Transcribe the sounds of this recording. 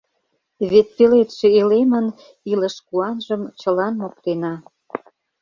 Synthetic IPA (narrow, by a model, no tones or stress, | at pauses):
βet̪̚pelet̪ʃeelemən | iləʃkuɑnʒə̆mt͡ɕəlɑnmok̚t̪enɑ